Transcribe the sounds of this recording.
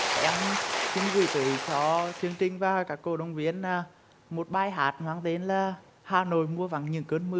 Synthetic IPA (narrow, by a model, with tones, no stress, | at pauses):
ʔɛ˧mt͡ɕi˨˧˦ŋvi˧˩t̪ɨ̰˧˨˩t͡ɕɔ˧˦t̪ʰi˨˦əŋt͡ɕï˧˩ŋ̟vaː˨˩kaː˨˦˥kːo˧˩ɗə˧wŋ͡mvi˧˦ənːaː˨˧˩ | mo˨˩t̚ɓaː˧˩jɦaː˨˩t̚nwaː˨˧˦ŋt̪e˨˦nlaː˨˩ | haː˨˩no̰˨jmu˧əva˧˩˦ŋɲɨ̰˧˨˩ŋkəː˧nmɨ˧